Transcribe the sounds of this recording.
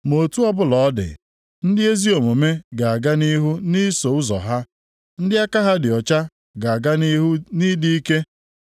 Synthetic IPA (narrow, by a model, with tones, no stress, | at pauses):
mo˨tu˦ɔ˦bʊ˦lɔ˨˦dɪ̰˨ | n̩˦dɪ˦e˦zi˦o˨mo˨me˦ɡa˨a˨ɡa˦ni˦ɦu˦ni˦so˨ʊ˦zɔ̰˨ɦa˦ | n̩˦dɪ˦a˦ka˦ɦa˦dɪ˨ɔ˨t͡ʃa˦ | ɡa˨a˨ɡa˦ɦni˦di˦i˦ke˦